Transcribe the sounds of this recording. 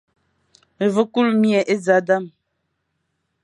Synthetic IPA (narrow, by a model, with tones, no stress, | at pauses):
və˦ku˦lmjɛ˨ʔe˦d͡za˨˦da˦˨m